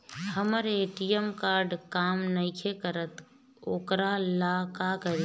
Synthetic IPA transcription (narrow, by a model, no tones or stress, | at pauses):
həməɾeːʈijəmkaːɾɖkaːmnəɪkʰekəɾət̪ | oːkɾalaːkakəɾi